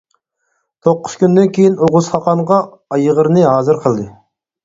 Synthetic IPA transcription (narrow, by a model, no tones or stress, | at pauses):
t̪ʰoqːʊ̥skʲynd̪ɛnkʲʰejinoʁʊzχɑqɑnʁɑː | jəʁəɾnɨɦɑːzɨɾqʰəlˠd̪ɨ